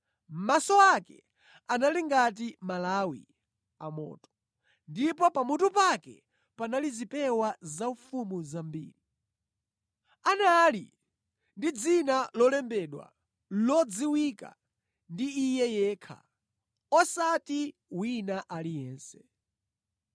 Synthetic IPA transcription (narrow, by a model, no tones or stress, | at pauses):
m̩masɔakɛ̰ | analiŋɡat̬imalawḭ | a̰mɔ̰ːtɔ̥ | ndipɔpamutupakɛ̰ | panalizipɛwazaufumuzambḭːɾi | analḭ | ndid͡zinalɔlɛmbɛɗwa̰ | lɔd͡ziwika̰ | ndiːjɛjɛːkʰa̰ | ɔsatiwinaʔalijɛːnsɛ